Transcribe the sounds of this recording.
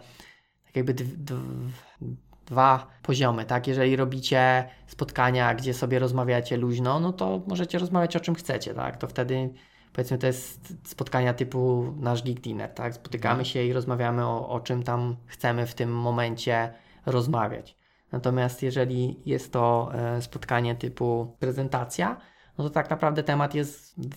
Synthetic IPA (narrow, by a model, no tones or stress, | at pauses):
t̪ḁkjaɡ̚bɘd̪d̪v | d̪̥vapɔʑɔmɘt̪akjɛʐɛlʲiɾɔbʲit͡ɕɛspɔt̪kaɲaɡd͡ʑɛsɔbʲjɛɾɔzmavʲjat͡ɕɛluʑnɔnɔt̪ɔmɔʐɛt͡ɕɛɾɔzmavʲjat͡ɕɔt͡ʂɘmxt̪sɛt͡ɕɛ̰t̪a̰kt̪ɔft̪ɛd̪ɘ | pɔvʲɛt̪smɘt̪ɔjɛst̪spɔt̪kaɲat̪ɘpunaʐɡʲiɡlʲinɛ̰ɾt̪akspɔ̥t̪ɘkamɘɕɛiɾɔzmavʲjamɘɔʔɔ̰t͡ʂɘmt̪amxt̪sɛmɘft̪ɘmːɔmɛɲt͡ɕɛ | ɾɔzmavʲja̰t͡ɕ | nat̪ɔmʲjast̪jɛʐɛlʲijɛst̪ːɔspɔt̪kaɲɛt̪ɘpupɾɛzɛnt̪at̪sʲja | nɔt̪ɔt̪aknapɾavd̪ɛt̪ɛmat̪jɛst̪